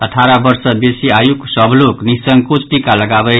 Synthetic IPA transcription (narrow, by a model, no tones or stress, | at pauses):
əʈʰaɾabʌɾsʌbesiajuksʌbʱloknisʌŋɡkut͡sʰʈikaləɡabʌj